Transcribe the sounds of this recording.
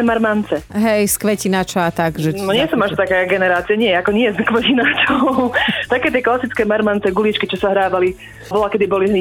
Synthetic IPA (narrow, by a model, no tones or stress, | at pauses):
ɛmaɾmant͡sɛɦɛjskʋɛcinat͡ʃɔat̪aɡʒɛɔɲɪɛsɔmaʃt̪akɛjaɡɛnɛɾaːt͡siɛɲɪɛɛakɔɲɪɛskʋɛcinat͡ʃɔʊt̪akɛːt̪ɪɛklasit͡skɛːmaɾmant͡sɛɡulit͡ʃkit͡ʃɔsaɦɾaːʋali | bɔlakɛd̪ibɔli